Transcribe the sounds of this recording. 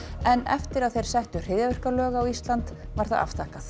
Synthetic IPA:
ɛnɛ̰ft̪ɪɾaðθejɾ̥sɛht̪ʏr̥ɪððjavɛr̥kalœːɣaawist̪lant̪vaɾ̥θaða̰ft̪ʰaːhkaθ

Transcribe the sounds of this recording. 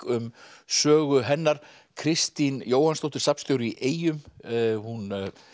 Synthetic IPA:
ʏmsœːɣʏɦɛnːaɾ̥ | kʰɾɪst̪injoːwhanst̪owht̪ɪɾ̥sapnst̪jowɾiʔeːjʏmhun

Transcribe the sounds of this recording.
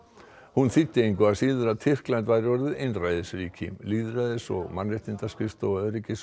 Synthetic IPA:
hunθɪt̪ːɪejŋkʏasiːðʏɾaðt̪ʰɪr̥klajnt̪vajɾɪvɔɾðɪʔɪnrajðɪsɾiːcʰɪ̰mliːðɾaðɪsɔ̰ɣmanrɪht̪ɪnt̪askɪft̪ɔɣœðɾicɪs

